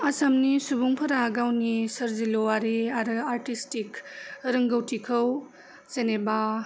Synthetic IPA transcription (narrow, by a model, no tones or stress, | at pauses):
ɐsamnisubuŋpʰɐɾaɡawnisɐɾzilowaɾiaɾɯaɾtistikɾɐŋɡɐwtʰikʰɐw | zeneba